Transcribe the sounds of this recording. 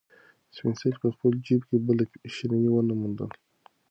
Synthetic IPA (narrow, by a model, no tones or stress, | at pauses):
spinsetpəxpəld͡ʒibkebəlʃinawiwənamund̪ə̰l